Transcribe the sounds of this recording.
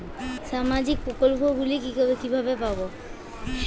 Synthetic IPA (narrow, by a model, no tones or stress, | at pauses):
ʃamad͡ʑik̚pɾokolpoɡulikikibʱabepabo